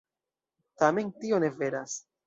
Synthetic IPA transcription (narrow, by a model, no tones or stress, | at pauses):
tame̞ntio̞ne̞ve̞ɾas